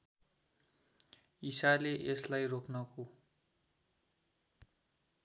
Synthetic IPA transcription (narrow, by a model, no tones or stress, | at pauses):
isaleʔeslajrokʰnʌko